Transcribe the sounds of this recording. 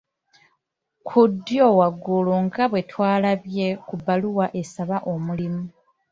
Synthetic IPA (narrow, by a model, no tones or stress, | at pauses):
kʰudːjo̞ːwaɡuluŋɡaβwe̞twaːlaβje̞kubaluwaʔe̞saβaʔo̞mulimu